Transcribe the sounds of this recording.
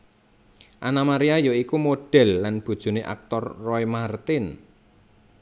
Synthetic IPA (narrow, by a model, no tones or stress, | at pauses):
ʔanamaɾiajoikumoɖ̥ɛ̤lːanb̥ṳd̥ʒ̥ṳneʔa̰k̚t̪ɔrːɔimart̪ɪn